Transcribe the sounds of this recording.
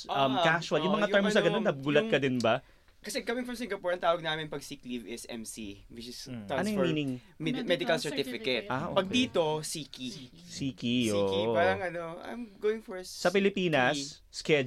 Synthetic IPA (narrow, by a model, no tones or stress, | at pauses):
ʔɐmkaʃwɐljʊ̃ŋmɐŋaɛɹmsɐɡɐnonːɐbɡulɐt̪̚kɐd̪ɪnbɐ | kɐsɛkɐmɪ̃ŋfɹɐ̃msɪ̃ŋɡɐpoːɹɐŋt̪aːwɐɡ̚naːmɪnpɐɡ̚siklivɪsʔɛ̰msiwɪt͡ʃɪsaɐojɔmiːnɪŋ | mmɛd̪ɪkɐlsɛɹt̪ɪfɪkɛt̪̚ʔaʔopɐɡ̚dd̪iːt̪o̞siːki | siːkiʔoːʔopaɾɐŋɐnoʔɐ̰jmɡoːwɪŋfɔɹsɐpɪlɪpiːnɐs | skɛ